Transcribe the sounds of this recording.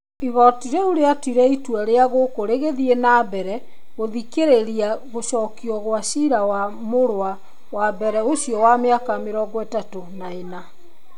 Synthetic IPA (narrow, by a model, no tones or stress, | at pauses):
iɣɔtiɾeuɾeatiɾɛitwɛɾeaɣokoɾeɣeðiɛnaːbɛɾɛ | ɣoðikeɾeɾiaɣoʃɔːkiɔɣwaɕiɾawamoɾwa | wabɛɾɛoɕjɔwameakameɾɔːɡɔɛtatonaena